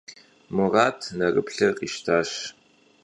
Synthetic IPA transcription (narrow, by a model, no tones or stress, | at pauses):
mɨrɑːtʰnɐrɨ̰pɬɐqʼiʃtʰaːɕ